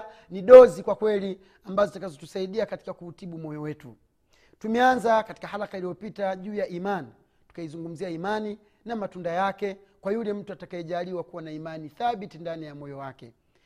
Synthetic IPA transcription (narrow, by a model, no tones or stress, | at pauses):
niɗɔzikwakwɛli | ambazɔtakazɔtusaiɗiakati̥kakuutiɓumɔjɔwɛtṵ | tumɛanzakati̥kahalakailijɔpitaʄuːjaʔimani | tu̥kaizuŋɡum̩ziaimani | namatundajakɛkwajulɛm̩tuatakaɛʄaliwakuwanaimaniθaɓitindanijamɔjɔwakɛ